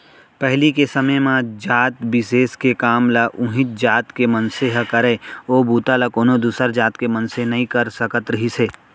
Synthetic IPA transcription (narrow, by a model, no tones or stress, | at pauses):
pɛɦlikesɐməmãd͡ʒaːt̪bɪseːskekaːmlaʔʊ̃ɦɪt̪̚d͡ʒaːt̪kemənseɦəkɐɾeːoːbuːt̪alakoːnod̪uːsəɾd͡ʒaːt̪kemənsenɐɦĩkɐɾsɐkət̪ɾəɦiseː